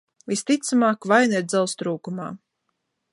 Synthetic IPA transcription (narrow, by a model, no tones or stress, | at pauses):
vist̪it̪samaːkvajnɛɾd̪zɛlˠst̪ɾuːkuma̰ː